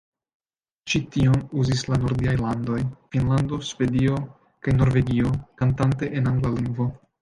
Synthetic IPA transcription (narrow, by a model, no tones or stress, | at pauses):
t͡ʃitio̞nuzislanoɾdiajlando̞jfinlando̞ʃve̞dio̞ | kajno̞ɾve̞ɡio̞kantante̞ʔenaŋɡlaliŋɡvo̞